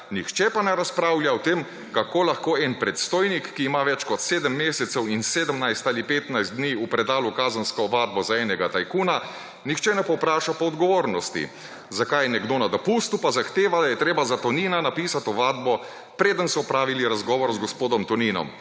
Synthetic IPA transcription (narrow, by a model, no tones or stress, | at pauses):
nixt͡ʃɛpanɛɾaspɾaːwljaɔt̪em | kakoːlaxkoːɛnpɾɛt̪st̪oːjnikːiːmaʋɛt͡ʃkɔt̪seːd̪əmːeːsɛt̪sɛwinseːd̪əmnajst̪alipeːt̪najzt̪d̪d̪niːupɾɛd̪aːlukaːzənskɔʋaːd̪̚bɔzaɛːnɛɡat̪ajkuːna | nixt͡ʃɛnɛpɔpɾaːʃapɔːd̪ɡɔʋoːɾnɔst̪ḭ | zakajnɛɡd̪onad̪ɔpust̪upazaxt̪eːʋad̪ajɛt̪ɾeːbazat̪ɔniːnanapiːsat̪ɔʋaːd̪̚bɔ | pɾeːd̪ənsɔɔpɾaːʋiliɾazɡɔːʋɔɾzɡɔspoːd̪ɔmt̪ɔniːnɔ̰m